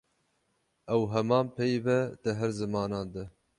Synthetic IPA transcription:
ɛwɦɛmɑːnpʰɛjvɛd̪ɨɦɛɾzɨmɑːnɑːnd̪ɨ

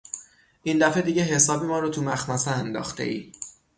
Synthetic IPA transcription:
ʔiːnd̪æfe̞d̪iːɟeɦe̞sɒːbimɒːɾot̪ʰumæxmæseænd̪ɒ̰ːxt̪ʰḛʔḭː

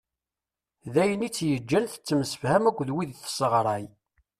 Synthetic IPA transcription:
ðæjənit͡sːjəd͡ʒːænθə̥t͡sːəmsə̥fhæmækʷːðwiðθsəʁɾˤɑj

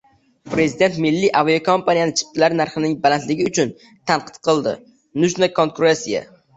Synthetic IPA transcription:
pɾezɪd̪e̞nt̪mɪlːiʔavokʰompʰanijanɪt͡ʃʰɪ̥p̚t̪ʰɪlaɾnaɾχɨnɪŋbalant̪lɪɡʲɪʊt͡ʃʰʊn | t̪ʰanqʰɨ̥t̪̚qʰɨlˠd̪ɪ̰ | nʊd͡ʒnakʰoŋkuɾesija̰

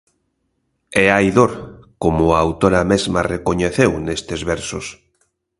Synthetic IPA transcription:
eajðoɾkomoaawt̪oɾamezmarekoɲeθewnest̪ezβeɾsos

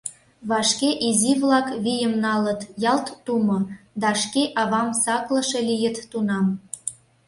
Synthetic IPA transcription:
βɑʃkeʔiziβlɑkβijəmnɑlə̆t̪jɑlt̪ːumŏd̪ɑʃkeʔɑβɑmsɑklə̆ʃelijə̆t̪ːunɑm

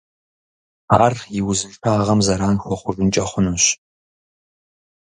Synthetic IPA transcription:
a̰ːrjɪwzɨʃʰaːʁɐmzɐɾaːnxʷɔχʷʊʐʷʊnt͡ʃʼɐχʷʊnɨɕ

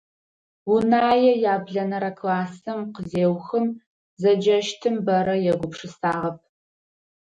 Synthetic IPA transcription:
wunaːjɛjaːbɮɐnɐɾɐkʰlaːsɐmqəzeːwxɨm | zɐd͡ʒɐʃtʰɨmbɐɾɐjɛɡʷʊpʂɨsaːʁɐp̚ʰ

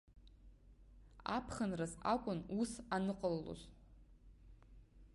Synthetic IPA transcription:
apʰχənrazakʷʼʊnusanɨqʼəlːo̰z

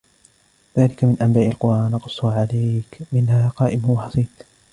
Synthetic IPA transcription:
ðaːlɪkamɪnʔambaːʔɪlqʊɾˤʔaːnɑqʊsˤːuːʕalajkmɪnhaːqɑːʔɪmwɑħɑsˤiːt̪

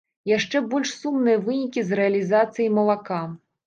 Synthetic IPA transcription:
jaʂt͡ʂɛbɔlʲʂsumnɨjɐvɨnʲikʲizrɛɐlʲizat̪sɨjimɐlˠaka

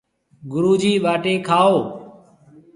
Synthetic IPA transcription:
ɡʊɾuːd͡ʒiːʋaːʈeːkʰaːoː

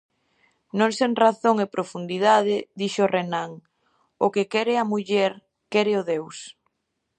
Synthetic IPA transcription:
nõŋseŋraθoŋepɾofund̪iðað̞ɪðiʃorenaŋ | ʊkekɛɾɪamuʎɛɾ | kɛɾɪoðews

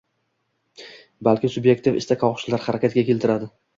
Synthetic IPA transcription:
balkʲɪsʊbje̞kt̪ɪfɪ̰st̪akʰɒwχʃɪlaɾχaɾakʲat̪̚ɡʲakʲe̞lt̪ʰɪɾad̪ɪ

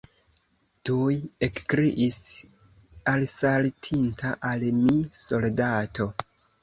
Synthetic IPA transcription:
tujekkɾiʔis | alsaltʰintʰaʔalmiso̞ldatʰo̞

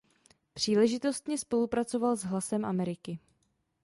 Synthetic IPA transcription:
pr̝̥iːlɛʒɪt̪o̞st̪ɲɛspo̞lupɾat͡so̞valzɦlasɛmʔamɛɾɪkɪ

